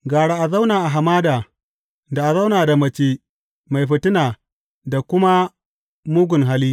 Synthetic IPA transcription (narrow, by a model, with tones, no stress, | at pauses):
ɡaː˨ɽa˦ʔa˨za˦wnaː˨ʔa˨ɦa˨maː˦daː˨ | da˨ʔa˨za˦wnaː˨da˨mɐ˦˨t͡ʃeː˦ | ma˨jɸɪ˨tɪ˦naː˨ | da˨kʷʊ˦ma˦ | mʊ˦ɡʷʊ˨nɦa˦liː˦